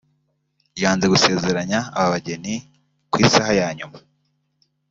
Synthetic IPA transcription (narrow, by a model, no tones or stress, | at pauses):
jaːnze̞ɡuse̞ːze̞ɾaɲaːβaβaɟe̞ni | kwiːsahajaːɲuma